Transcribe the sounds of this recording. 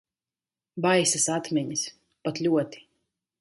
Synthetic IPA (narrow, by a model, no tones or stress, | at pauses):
bajsasat̪mʲɛɲis | pat̪ʎʲuɔt̪i̥